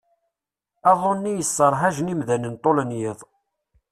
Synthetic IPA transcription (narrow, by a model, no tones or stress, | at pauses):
æðˤonːijəsːəɾˤɦæʒnimðænənt̪ˤolənjɪðˤ